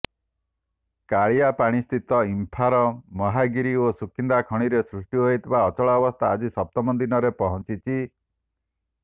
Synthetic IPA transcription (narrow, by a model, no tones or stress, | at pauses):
kaɭijapaɽ̃ist̪ʰit̪ɔimpʰaɾɔmɔɦaɡiɾiosukʰind̪akʰɔɽ̃iɾesɾuʂʈjuɦoit̪ʰebaɔt͡ʃɔɭɔːbɔst̪ʰaːd͡ʒisɔp̚t̪ɔmɔnd̪inɔɾepɔɦɔnt͡ʃit͡ʃʰi